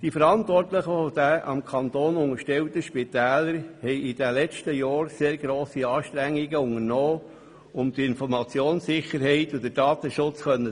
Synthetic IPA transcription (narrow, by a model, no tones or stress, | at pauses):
d̥ifəɾɑnt̪ʋɔrtləχəfod̥̪æʔɑ̰mkʰɑnt̪oːnʊŋəɾʃtɛwt̪əʃpit̪æːləɾhɛɪɪd̥̪ælɛt͡stəjɑːɾseːɾɡɾoːsiɑːʃt̪ɾæŋːiɡəʊŋəɾnɔː | ʊmd̥̪ɪnfɔɾmɑt͡sjoːnsɪχəɾɦɛɪtʊd̪əd̥ɑːt̪əʃʊt͡sχœnːə